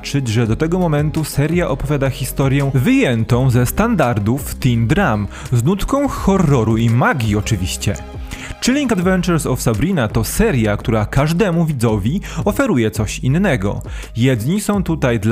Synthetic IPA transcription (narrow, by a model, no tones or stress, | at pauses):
t͡ʂɘt͡ɕʐɛd̪ɔt̪ɛɡɔmɔmɛnt̪usɛɾʲjaʔɔpɔvʲjad̪axʲist̪ɔɾʲjɛ̃vɘjɛnt̪ɔ̃w̃zɛst̪and̪aɾd̪uft̪ind̪ɾam | znut̪kɔ̃w̃xɔrːɔɾuimaɡʲiɔt͡ʂɘvʲiɕt͡ɕɛ̰ | t͡ʂɘlʲiŋkad̪vɛnt͡ʂɛɾsɔfsabɾinat̪ɔsɛɾʲjakt̪uɾakaʐd̪ɛmuvʲid̪zɔvʲiɔfɛɾujɛt̪sɔɕinːɛɡɔ̰ | jɛd̪ɲisɔ̃w̃t̪ut̪ajd̪l